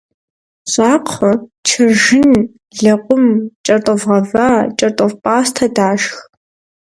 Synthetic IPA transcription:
ɕʼaːqʰət͡ʃʰɨʒɪn | ɮɐqʷʼʊmt͡ʃʼɐrtʼəvʁɐvaːt͡ʃʼɐrtʼəvpʼaːstʰɐdaːʃx

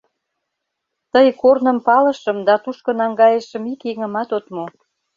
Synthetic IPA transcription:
t̪əjkornə̆mpɑlə̆ʃə̆md̪ɑt̪uʃkɤ̆nɑŋɡɑjəʃə̆mikeŋə̆mɑt̪ot̪mo

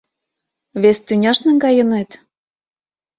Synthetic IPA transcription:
βest̪ynʲɑʃnɤ̆ŋɡɑjɤ̆net̪

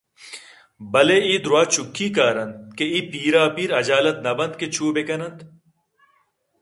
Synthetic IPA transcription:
bɐleiːd̪ɾuwaːt͡ɕukʰːiːkaːɾɐnt̪̚keiːpiːɾaːpiːɾɐd͡ʑaːlɐt̪nɐbɐnd̪ket͡ɕʰuːbekɐnɐnt̪

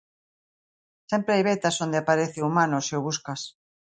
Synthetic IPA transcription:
sɛmpɾeajβet̪asond̪eapaɾeθeumãnoseʊβ̞uskas

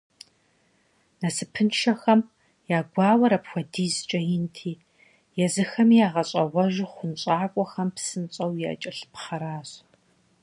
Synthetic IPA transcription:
nɐsɨpʰɨnʃɐxɐm | jaːɡʷɑːwɐɾɐpxʷɔdiːzt͡ʃʼɐjɪntʰiː | jɛzɨxɐmiːjaːʁɐɕʼɐʁʷɔʒχʷʊnɕʼaːkʷʼɔxɐmpsɨnt͡ɕʼɐwjɛɐ̰t͡ʃʼɐɬpχɐɾaːɕ

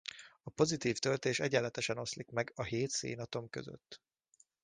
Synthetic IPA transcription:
ɒpo̞zit̪iːft̪ølt̪eːʃɛɟɛlːɛt̪ɛʃɛno̞slikmɛɡɒɦeːt̪sḛːnɒt̪o̞mkøzø̰t̪ː

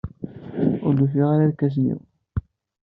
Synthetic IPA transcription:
ʊɾd̪uθiʁaɾaðkæs̬nḭw

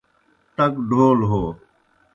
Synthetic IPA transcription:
t̪əkɖʱoːlɦoː

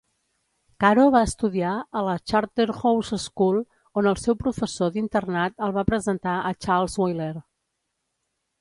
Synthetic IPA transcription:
kaɾoβaəst̪uðiaələt͡ʃaɾt̪eɾxowzəskulˠ | onəlˠsɛwpɾufəsoðint̪ərnat̪əlˠβapɾəzənt̪aʔət͡ʃalˠzwojler

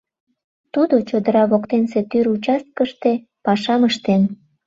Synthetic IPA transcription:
t̪ud̪ot͡ɕod̪əɾɑβokt̪enset̪yɾut͡ɕɑst̪̚kəʃt̪e | pɑʃɑməʃt̪en

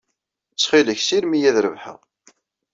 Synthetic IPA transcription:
t͡sːχiləçsiɾmijæðɾə̰vħə̰ʁ

